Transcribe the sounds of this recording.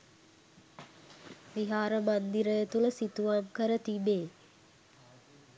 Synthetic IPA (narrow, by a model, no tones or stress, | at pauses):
ʋiɦaːɾəmand̪iɾəjet̪uləsit̪uʋamkəɾət̪ibeː